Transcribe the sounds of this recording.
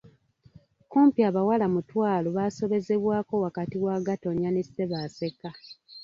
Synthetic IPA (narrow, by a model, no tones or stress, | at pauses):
kuːmpiaβawalamutwaːloβaːso̞βe̞ze̞βwaːko̞wakatiwaːɡato̞ɲjanese̞βaːse̞ka